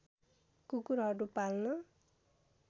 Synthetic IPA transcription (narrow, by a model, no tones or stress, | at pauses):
kukuɾɦʌɾupalnʌ